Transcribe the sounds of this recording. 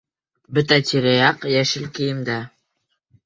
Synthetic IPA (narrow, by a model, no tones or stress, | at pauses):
bɵ̆t̪æt̪ʲiɾæjɑqjæʃɘlkɘ̆jɘ̆md̪æ